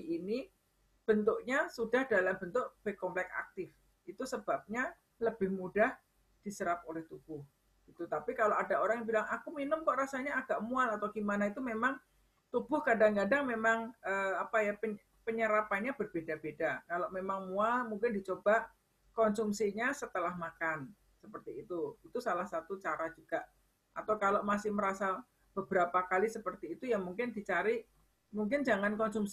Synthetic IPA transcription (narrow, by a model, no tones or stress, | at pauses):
ini | b̥ənt̪ʊʔɲasudahd̥alambənt̪ʊʔb̥ɛhkɔmplɛka̰k̚t̪ɪf | it̪usəb̥ap̚ɲa | ləb̥ɪhmudah | d̥isəɾap̚olɛht̪ub̥ʊh | ɡ̥it̪ut̪apikaloadaʔoɾaŋjaŋbilaŋakuminʊmkɔʔɾasaɲaːɡaʔmualat̪awɡ̥imanait̪umemaŋ | t̪ub̥ʊhkadaŋkadaŋmemaŋəapajapə | pəɲəɾapanɲab̥ərb̥edab̥edakaloʔmemaŋmualmuŋkɪndit͡ʃob̥aʔ | kɔnsumsiɲasət̪əlahmakan | səpərt̪iːt̪uit̪usalahsat̪ut͡ʃaɾad͡ʒuɡ̥aʔ | ʔat̪awkaloʔmasɪhməɾasa | b̥əb̥əɾapakalisəpərt̪iːt̪ujaŋmuŋkɪndit͡ʃaɾi | muŋk̬ɪnd͡ʒaŋankɔnsumsi